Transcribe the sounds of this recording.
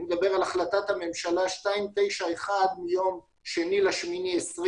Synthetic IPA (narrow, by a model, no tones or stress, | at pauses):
med̪abeʁalaχlat̪at̪hame̞mʃalaʃtaimt̪e̞jʃaeχad̪mijo̞m | ʃenilaʃminiesʁ